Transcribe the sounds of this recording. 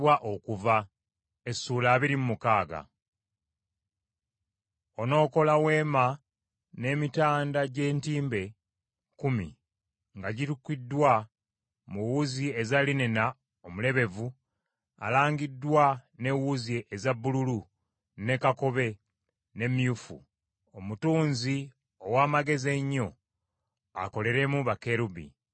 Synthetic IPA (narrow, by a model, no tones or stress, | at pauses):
waʔo̞kuva | esuːlaːβiɾimumukaːɡa̰ | o̞no̞ːko̞lawe̞ːma | ne̞mitaːndaɟe̞ːntiːmbe̞ | kumḭ | ŋɡaɟitukːidːwa | muwuziezalinena | omule̞βe̞vu | a̰laːŋɡidːwane̞wuzieʔezabːululu | ne̞kako̞βe̞ | ne̞miufṵ | omutuːnzi | owaːmaɡe̞zeɲːo̞ | a̰ko̞le̞ɾe̞muβake̞ɾubḭ